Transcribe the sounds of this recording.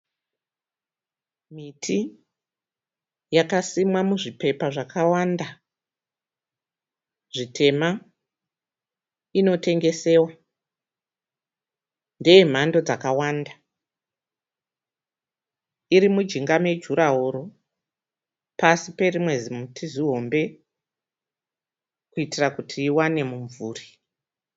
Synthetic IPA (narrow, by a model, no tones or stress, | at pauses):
mitʰi | jakasimwamuʐipe̞paʐakawanda | ʐitʰe̞ma | ino̞te̞ŋɡe̞se̞ːwa | ndejem̤ando̞d͡zakawanda | iɾimud͡ʒiŋɡame̞d͡ʒuɾaɦoɾo | pasipe̞rimwe̞zimutʰiziɦo̞mbe̞ | kuitirakutʰiːwane̞muɱvuːri̥